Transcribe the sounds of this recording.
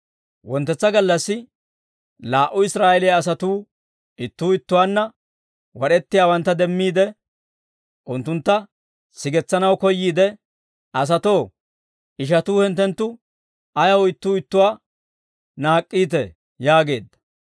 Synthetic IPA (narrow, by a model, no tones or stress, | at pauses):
wɔnt̪ːɛt͡sːɐɡɐlːɐsːɪ | laːʔʊɪsɾaːʔɛlɪaːs̬ɐt̪uː | ɪt̪ːuːɪt̪ːʊwaːnːɐ | wɔɗɛt̪ːɪjaːwɐnt̪ːɐd̪ɛmːiːd̪ɛ | ʔʊnt̪ːʊnt̪ːɐ | sɪɡɛt͡sːɐnɐwkɔjːiːd̪ɛ | ɐs̬ɐt̪o̞ː | ɪʃ̬ɐt̪uːhɛnt̪ːɛnt̪ːʊ | ɐjɐwɪt̪ːuːɪt̪ːʊwaː | naːkʼːiːt̪ɛ̰ | jaːɡe̞ːd̪ːɐ̥